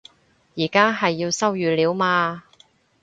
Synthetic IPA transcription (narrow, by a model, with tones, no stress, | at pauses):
jiː˨˩kaː˥ɦɐ˨jːi˧wsɐ˥wjyː˨˥liː˨˥wmaː˧